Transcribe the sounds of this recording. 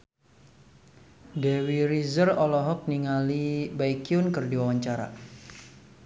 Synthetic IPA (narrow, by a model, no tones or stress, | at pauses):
dewiɾizərɔlɔɦɔk̚niŋalibaikiʊnkərdiwawaɲt͡ʃaɾa̰